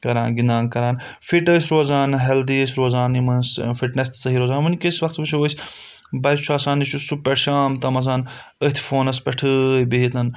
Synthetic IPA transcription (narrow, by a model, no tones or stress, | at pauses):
kɐɾaːnɡind̪ãːnkɐɾaːn | fiʈəsʲɾoːzaːnɦɛld̪iəs̬ʲɾoːzaːnimɐnsfiʈnest̪sɐɦiːɾoːzaːnʋɐnʲkəsʲʋɐkt̪bɨt͡ʃʰuʋəsʲ | bɐjʲt͡ʃʰuaːsaːnit͡ʃʰusupːɐɾʃaːmt̪ɐmɐz̬aːn | əht̪ʰfoːnɐspʲɐʈʰɨbiɦit̪ɐn